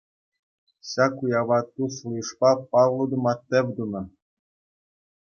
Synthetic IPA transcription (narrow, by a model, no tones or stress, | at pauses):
ɕɑkujɑʋɑt̪ːuslˠɤʂpɑpɑʋlˠɤ̆d̪ɤ̆mɑt̪ʲːɘ̆ʋʲd̪unɑ̆